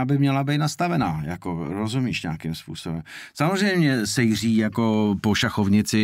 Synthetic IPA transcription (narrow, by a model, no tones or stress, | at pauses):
bɪmɲɛlabijt̪nast̪avɛnaːjakoɾozumiːʃɲɛakɪmspṵːsobɛmsamozrɛjmɲɛsɛjr̝iːjako̞poʃaxovɲɪt͡sɪ